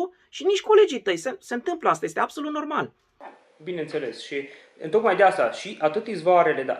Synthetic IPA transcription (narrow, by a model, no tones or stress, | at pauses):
ʃiniʃʲkʰo̞le̞d͡ʒijt̪əjsese̞ɨnt̪ɨmpləast̪aje̞st̪eab̥so̞lut̪no̞rmal | bine̞nt̪se̞le̞sʃi | ɨ̰nt̪o̞kmajd̪east̪aʃiʔat̪ɨt̪izvoaɾele̞d̪a̰